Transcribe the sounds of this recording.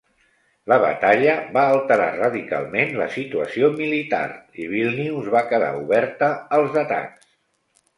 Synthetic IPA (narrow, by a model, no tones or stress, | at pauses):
ləβə̰t̪aʎəβaːlˠt̪əɾa̰rəðika̰lˠmenlə̰sit̪uəsiomilit̪a̰riβ̞ilˠniuzβakəða̰uβɛɾt̪əːlˠzðət̪a̰ns